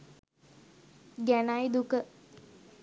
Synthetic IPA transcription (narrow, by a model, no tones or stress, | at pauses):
ɡænajd̪ukə